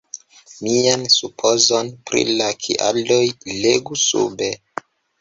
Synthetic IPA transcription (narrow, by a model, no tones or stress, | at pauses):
miansupʰo̞zo̞npɾḭlakʰḭʔa̰ldo̞jleɡusṵbe̞